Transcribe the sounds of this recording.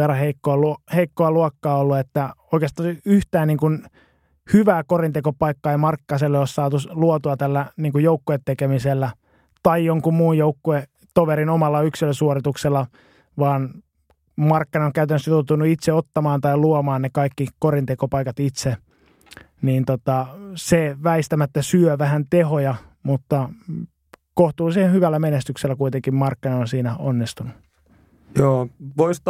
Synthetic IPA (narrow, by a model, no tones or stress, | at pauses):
erɑheikːoɑluheikːoɑluɑkːɑːolːuet̪ːæoikeɑst̪ɑyht̪æːniːŋkun | hyʋæːkorint̪ekopɑikːɑeimɑrkːɑːselːeossɑːt̪usluot̪uɑt̪ælːæniːŋkujoukːuet̪ːekemiselːæ | t̪ɑijjoŋkummuːjjoukːue | t̪oʋeɾinomɑlːɑyksiløsuorit̪ukselːɑ | ʋɑːn | mɑrkːinɑoŋkæyt̪ænsyt̪ot̪unuit̪seot̪ːɑmɑːnt̪ɑiluomɑːnnekɑikːikorint̪ekopɑikɑt̪it̪se | niːnt̪ot̪ɑseʋæist̪æmæt̪ːæsyøʋæhænt̪ehojɑ | mut̪ːɑ | koht̪uːsihenhyʋælːæmenest̪ykselːækuit̪eŋkimmɑrkːinɑonsiːnæonːist̪unu | joːʋois